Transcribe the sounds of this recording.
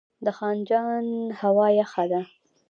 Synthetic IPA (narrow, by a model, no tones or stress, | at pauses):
d̪əxɑnd͡ʒɑnhawɑjaxad̪a